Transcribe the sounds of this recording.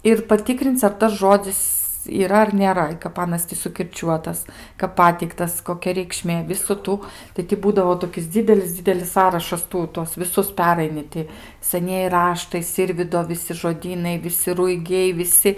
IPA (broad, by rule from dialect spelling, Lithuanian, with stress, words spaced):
ɪr pɐˈtʲɪkrʲɪnʲt͡sʲ ɐr ˈtɐs ˈʒoːd͡zʲɪs iːˈrɐ ɐr nʲeːˈrɐ ɪ kɐp ˈɑːnɐs tʲɪ sʊkʲɪrʲˈt͡ʃʲuɔtɐs kɐp ˈpɑːtʲɛɪktɐs koːˈkʲɛ rʲɛɪkˈʃʲmʲeː ˈʋʲɪsʊ ˈtuː tɐɪ tʲɪ ˈbuːdɐʋoː toːˈkʲɪs ˈd͡zʲiːdʲɛlʲɪs ˈd͡zʲiːdʲɛlʲɪs ˈsɑːrɐʃɐs ˈtuː ˈtuɔs ʋʲɪˈsʊs ˈpʲæːrɐɪnʲɪ ˈtʲɪ sɐˈnʲiɛjɪ ˈrɑːʃtɐɪ ˈsʲɪrʲʋʲiːdoː ʋʲɪˈsʲɪ ʒoːˈdʲiːnɐɪ ʋʲɪˈsʲɪ rʊɪˈɡʲɛɪ ʋʲɪˈsʲɪ